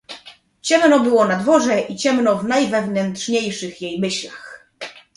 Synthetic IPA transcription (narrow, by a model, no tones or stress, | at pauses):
t͡ɕɛmnɔbɘwɔnad̪vɔʐɛʔit͡ɕɛmnɔvnajvɛvnɛntʂɲejʂɘxjejmɘɕlax